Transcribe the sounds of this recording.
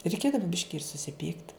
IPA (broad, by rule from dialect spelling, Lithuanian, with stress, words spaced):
rʲɛɪˈkʲeːdɐʋɐ ˈbʲɪʃʲkʲɪ ɪr sʊsʲɪˈpʲiːkt